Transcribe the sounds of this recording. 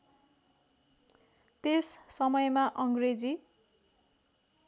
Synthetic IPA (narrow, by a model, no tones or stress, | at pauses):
t̪esːʌmʌjmaʔʌŋɡred͡zi